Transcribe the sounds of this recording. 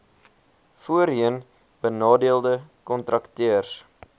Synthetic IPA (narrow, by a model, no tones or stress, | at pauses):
fuəɾiən | bənɑːdiəlˠdəkɔntrɐktøərs